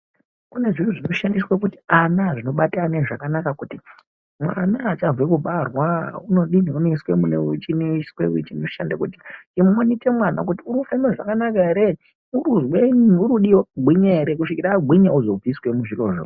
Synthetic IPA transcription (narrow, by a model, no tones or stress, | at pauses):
une̞ʐinuʐino̞ʃandiswakutianaʐino̞ɓataneʐakanakakuti | mwanaːt͡ʃaɱvwekuɓarwauno̞ɗiniuneswe̞munḛt͡ʃineswḛut͡ʃinoiʃandakutiimonite̞mwana̰kutiuɾufemeʐakanakaeɾe | uuzweuɾuɗiwoɡʱwiɲaeɾek̬uʂikiɾaɡʱwiɲauzo̞b͡viswe̞muʐiro̞ʐo̰